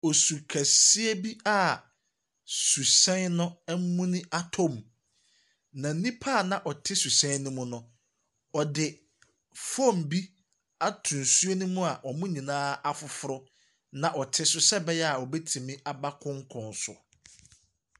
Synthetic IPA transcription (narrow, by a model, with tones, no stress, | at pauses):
ɔ˨su˨kʰæ˨si˦e˦bi˦a˦˨ | su˨sɛ̃˦n˦nʊ̃˦ɛ˦m˦mũ˦nʊ̃˦ʔa˦tʰɔ̃˦˨m | nã˨n̩˦nĩ˦pʰa˦˨nã˨ʔɔ˨tʰɪ˦su˨sɛ̃˦nʊ̃˦mʊ̃˦nʊ̃˦ | ɔ˨dɪ˨ | fɔ̃˦˨m̩˨bi˦ | a˦tʰũ˨nsu˦e˦nũ˦mũ˦a˨ʔɔ˨mũ˦ɲĩ˨nãː˦a˦fʊ˨fʊ˦ɾʊ˦ | nã˨ʔɔ˨tʰɪ˦sʊ˦sɛ˦bɛ˦jɛ˦a˨ɔ˨bɛ˦tʰĩ˨mĩ˦ʔa˨ba˦kʰʊ̃˦ŋ̩˦kʰʊ̃˨nsʊ̰˨